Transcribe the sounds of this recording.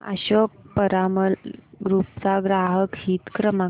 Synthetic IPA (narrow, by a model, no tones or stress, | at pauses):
a̰ɕək̚pəɾaməlɡɾup̚t͡saɡɾaɦəkɦiːt̪kɾəma